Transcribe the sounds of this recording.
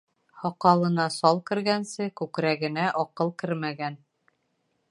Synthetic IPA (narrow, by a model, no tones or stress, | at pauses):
hɒqɑlˠɤ̆nɑsɑlˠkɘ̆ɾɡænsɘkʉkɾæɡɘ̆næʔɒqɤlˠkɘɾmæɡæn